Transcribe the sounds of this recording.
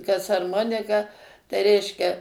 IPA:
kɐs ɐrˈmoːnʲɪkɐ tɐɪ ˈrʲɛɪʃʲkʲɛ

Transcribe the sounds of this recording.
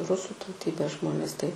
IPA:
ˈrʊsuː tɐʊˈtʲiːbʲeːs ˈʒmoːnʲeːs tɐɪ

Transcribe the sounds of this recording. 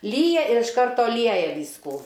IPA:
ˈlʲiːjɛ ɪr ɪʃ ˈkɐrtoː ˈlʲiɛjɛ ˈʋʲiːskuː

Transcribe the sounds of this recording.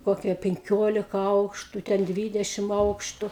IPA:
ˈkoːkʲiɛ pʲɛŋʲˈkʲoːlʲɪkɐ ˈɐʊkʃtʊ ˈtʲɛn ˈdʲʋʲiːdʲɛʃʲɪm ˈɐʊkʃtʊ

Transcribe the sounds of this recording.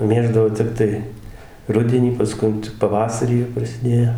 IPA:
ˈmʲeːʒdɐʋoː ˈtʲɛp tɐɪ ˈrʊdʲɛnʲiː pɐsˈkʊn ˈt͡ʃʲɛ ˈpɑːʋɐsɐrʲiː jɛʊ prɐsʲɪˈdʲeːjoː

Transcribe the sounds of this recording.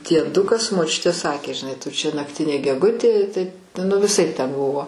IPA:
dʲiɛˈdʊkɐs moːˈt͡ʃʲʊtʲeː ˈsɑːkʲeː ʒʲɪˈnɐɪ tʊ t͡ʃʲɛ nɐkˈtʲɪnʲeː ɡʲɛˈɡʊtʲeː tɐɪ nʊ ʋʲɪˈsɐɪp tʲɛn ˈbʊʋoː

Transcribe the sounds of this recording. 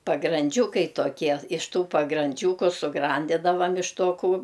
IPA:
pɐɡrɐnʲˈd͡ʒʲuːkɐɪ toːˈkʲiɛ ɪʃ ˈtuː pɐɡrɐnʲˈd͡ʒʲuːkʊ sʊˈɡrɐnʲdʲɪdɐʋɐm ɪʃ toː kuː

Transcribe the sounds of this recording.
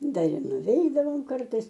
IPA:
ˈdɐr ɪr nʊˈʋʲɛɪdɐʋoːm ˈkɐrtɐɪs

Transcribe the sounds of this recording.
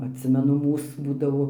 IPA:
ɐtʲˈsʲɪmʲɛnʊ ˈmuːs ˈbuːdɐʋoː

